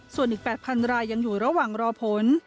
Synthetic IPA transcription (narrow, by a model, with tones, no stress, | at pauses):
su˨˩ənʔiː˨˩k̚pɛː˨˩t̪̚pʰa˧nɾaː˧jːa˧ŋjuː˨˩ɾa˧waː˨˩ŋɾɔː˧pʰo˩˦n